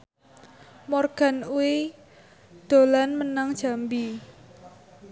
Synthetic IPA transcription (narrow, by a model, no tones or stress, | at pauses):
mɔrɡ̥a̤nuwi | d̪̥o̤lanmənaŋd̥ʒ̥a̤mbi